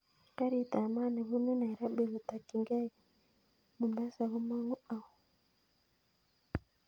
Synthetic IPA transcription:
ka˦ɾi˨ta˨ma˦ne˨βu˦nu˦na˨ɾa˦be˨βu˨ta˨ki˨ŋɡa˦j | mu˨mba˦sa˨βu˦ma˦ŋu˦a˨wu˨

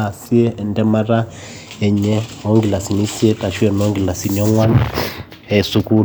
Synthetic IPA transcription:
a˨si˦ɛː˦˨ndɛ˦ma˦ɾa˦ | ɛ˨ɲɛ˦o˦ŋɡi˨la˨si˨ni˦si˦ɛ˦ta˨ʃwɛ˨no˦ŋɡi˨la˨si˨ni˨ɔ˦ŋwa˦n | ɛ˨su˨ku˦

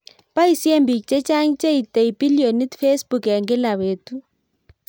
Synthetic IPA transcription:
pa˦i˨si˦e˦mbi˨kt͡ʃʼɛ˦t͡ʃʼa˦ŋt͡ʃʼe˦i˨te˨i˨pi˦lio˨ni˦tfe˦sbu˨kja˨ŋɡɛ˦la˨βeːtu˦

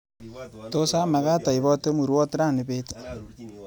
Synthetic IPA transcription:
to˦sa˦ma˨ka˦ta˨i˨βɔ˦te˦mu˨ɾwɔ˦tɾa˦˨ni˨βe˦tḁ˨

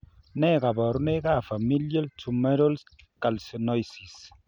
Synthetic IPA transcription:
nɛ˦ka˨bɔ˨ɾne˦ɡa˦˨fa˨mi˦lje˦ltu˨me˦ɾo˦ls | ka˨lsi˨nɔ˦jsi˨s

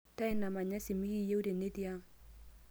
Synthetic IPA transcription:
ta˦ɪ˦na˨ma˨ɲa˦si˨mi˦ki˦je˦u˦ɾe˨ne˦ti˦a˦

